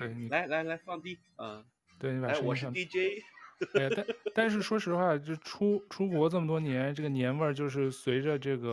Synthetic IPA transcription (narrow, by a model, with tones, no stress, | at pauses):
t̪we˥˩ɪni˨˩la˧˥ɪla˧˥ɪla˧˥ɪfɑ˥˧ŋt̪i˥˩ | ə˧˩ | t̪we˥˩ɪni˧˥pa˨˧˥wɔ˨˩˥ɕ̩ɑ˥˧˩t̪i˥˩t͡ɕe˥ɪ˥˧ | t̪a˥˧t̪a˥˧nʂ̬ɻ̩˥˩ʂwɔ˥ʂɻ̩˧˥xwa˥˩t͡ɕʈ͡ʂʰu˥ʈ͡ʂʰu˥kwɔ˧˥ʈ͡ʂɤ˥˩mə˩t̪wɔ˥njɛ˧˥nʈ͡ʂɤ˥˩ɡə˩njɛ˧˥nʋə˞˥˧t͡ɕjo˥˧ʊʂ̬ɻ̩˥˩swe˧˥ɪʈ͡ʂə˧ʈ͡ʂɤ˥˩ɡə˩